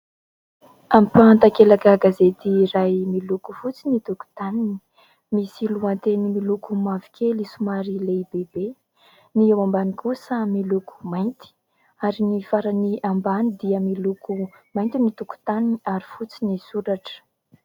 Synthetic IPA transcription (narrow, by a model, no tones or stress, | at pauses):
ampant̪akelakaɡazet̪irajmilukufut͡sinit̪uku̥t̪anini̥ | misiluant̪enimilukumavi̥kʰʲelisumaɾilebebe | niewambanikusəmiluku̥majnt̪i̥ | aɾinifaɾaniʔambanid̪iəmiluku | majnt̪init̪uku̥t̪aniniaɾifut͡sinisuɾaʈ͡ʂə̥